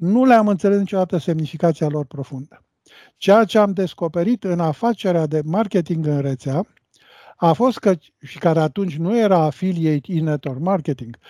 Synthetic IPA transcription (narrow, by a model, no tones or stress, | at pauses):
nuleamɨnt̪selenit͡ʃod̪at̪əse̞mnifikat̪sialo̞rpɾo̞fund̪ə | t͡ʃe̞jat͡ʃe̞amd̪e̞sko̞pe̞ɾit̪ɨnafat͡ʃe̞ɾead̪e̞markʲe̞t̪iŋɡɨnret̪sea | afo̞st̪̚kə | ʃikaɾeat̪unt͡ʃʲnuje̞ɾaːfiliejt̪inet̪ormarke̞t̪iŋɡ̥